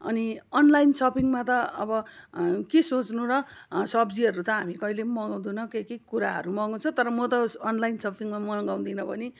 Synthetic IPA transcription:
ʌ̰niʌnlajnsʌpʰiŋmat̪ʌʌ̰bʌkesot͡snuɾʌsʌbd͡ziɦʌɾut̪ʌɦamikʌilemʌɡaw̃d̪unʌkekikuɾaɦʌ̰ɾumʌɡat͡sʰʌt̪ʌɾʌmʌt̪ʌːnlajnsʌpʰiŋmamʌɡaw̃d̪inʌbʌni

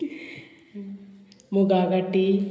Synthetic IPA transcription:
muɡaːɡɐʈːi

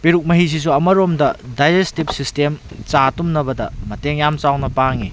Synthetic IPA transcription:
piɾuk̚mɐɦis̬is̬uɐmɐɾomdɐdajd͡ʒestip̚sistem | t͡ʃatumnɐbɐdɐmɐteŋjamt͡ʃawnɐpaŋi

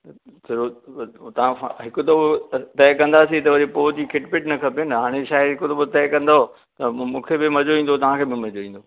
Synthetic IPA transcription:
t̪ʰɪɾot̪ɐʋ̤ãɦɪkʊt̪ʰobɪt̪ɛɪkɐ̃nd̪asit̪ɐʋɐd͡ʑepoːt̪ikʰɪʈpɪʈnɐkʰɐpenɐɦaːɽ̃eʃaːɪɦɪkʊt̪obɪt̪ɛːkɐ̃nd̪aɦo | t̪ɐmũːkʰebɪmɐd͡ʑoʋĩːn̆d̪ot̪ɐʋ̤ãkʰeːbɪmɐd͡ʑoʋĩːn̆d̪oː

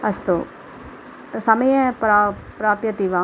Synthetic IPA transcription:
ɐst̪oː | samẽɛ̃pɾapɾaːpjət̪iʋãː

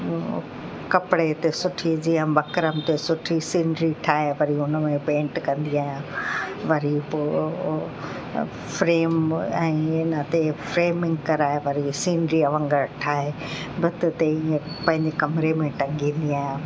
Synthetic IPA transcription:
kɐpɪɽet̪esʊʈʰid͡ʑiːə̃bɐkɾəmt̪esʊʈʰisĩːɳɖɾiʈʰaːɦeʋɐɾiʊnəmẽpẽːɳʈkɐ̃nd̪iaːɦijãʋɐɾipoː | fɾeːmɛ̃ːɪnət̪efɾeːmɪ̃ŋɡkɐɾaːɦeʋɐɾisĩːɳɖɾiɐʋə̃ŋɡəɾʈʰaːɦe | bɪt̪ɪt̪eiẽ | pɐ̃ɦɪ̃ɲd͡ʑekɐmɾemẽʈɐ̃ŋɡĩːnd̪iaːɦijã

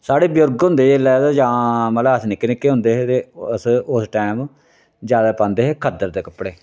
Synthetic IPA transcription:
saːɽeːbjʊɾɡɦʊ̃nd̪eːelɛːd̪ad͡ʒãːmələəsnɪknɪkːeːɦʊ̃nd̪eːɦeːt̪eːsʊsʈɛːm | d͡ʒjaːd̪aːpãːnd̪eːɦeːkʰəd̪əɾd̪eːkəpːɽeː

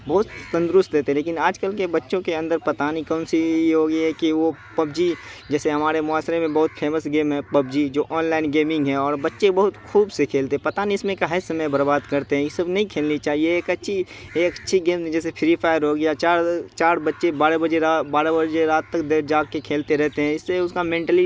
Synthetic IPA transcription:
bɐɦʊt̪sɐ̃nd̪ɾʊst̪leːt̪eɦɛ̃leːk̬ɪnaːd͡ʒkəlkebɐtːʃõkeɐ̃nd̪əɾpɐt̪aːnikɔːnsiɦoːɡəiɦɛkiʋopɐb̚d͡ʒid͡ʒɛːseɦɐmaːɾemʊaːsɾemẽbɐɦʊt̪pʰeːməsɡeːmɦɛpɐbd͡ʒid͡ʒoːʔɔːnlaːɪnɡeːmɪ̃ŋɡɦɛ̃ɔːɾbɐtːʃebɐɦʊt̪xuːbsekʰeːlt̪eɦɛ̃pɐt̪aːniɪsmẽkaɦesɐməjbɐɾbaːd̪kɐɾt̪eɦɛ̃jesɐbnɐɦĩkʰeːlnit͡ʃaːɦieːkɐtːʃʰi | eːkətːʃʰiɡeːmd͡ʒɛːsepʰɪɾipʰaːɪəɾɦoːɡijat͡ʃaːɾt͡ʃaːɾbɐtːʃebaːɾebɐd͡ʒeabaːɾebəd͡ʒeɾaːt̪ːɐkd̪ed͡ʒaːɡ̚kekʰeːlt̪eɾɛɦt̪eɦɛ̃ɪsːeʊskamẽːɳʈəli

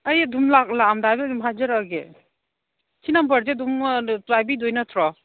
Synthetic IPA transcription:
ajdumlak̚lamdajbidumɦad͡ʒɯɾaɡe | kʰinambəɾzedumɾajbidɔjnatʰɾɔ

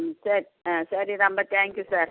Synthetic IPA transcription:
sɐɾisɐɾinɐmbɐt̪ʰɛːŋkjusaːɾ

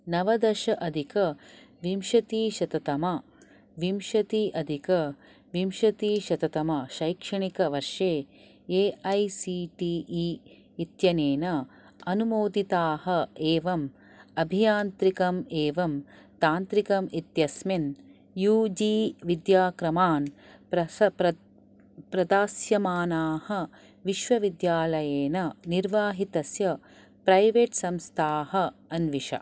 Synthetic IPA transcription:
nɐʋɐd̪ɐʃɐʔɐd̪ʱikɐ | ʋimʃɐt̪iːʃɐt̪ɐt̪ɐmɐ | ʋimʃɐt̪iʔɐd̪ʱikɐ | ʋimʃɐt̪iːʃɐt̪ɐt̪ɐmɐʃɐjkʂɐɳikɐʋɐɾʃeː | eːɐjsiʈiːʔi | it̪jɐneːnɐ | ɐnumoːd̪it̪aːhɐeːʋɐm | ɐbʱijaːnt̪ɾikɐmeːʋɐm | t̪aːnt̪ɾikɐmit̪jɐsmen | juːd͡ʒiːʋid̪jaːkɾɐmaːnpɾɐɐpɾɐ | pɾɐd̪aːsjɐmaːnaːhɐ | ʋiʃʋɐʋid̪jaːlɐjeːnɐniɾʋaːɦit̪ɐsjɐ | pɾɐjʋeːʈsɐmst̪ʰaːhɐ̆ɐnʋiʂɐ̰

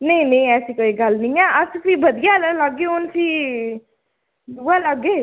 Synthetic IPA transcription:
nəĩːnə̃ĩːɛːsiːkoːiːɡəlnĩːɛːʔəsfiːbəd̪ɪjaːlələɡeːʊnsiː | d̪uːaːləɡeː

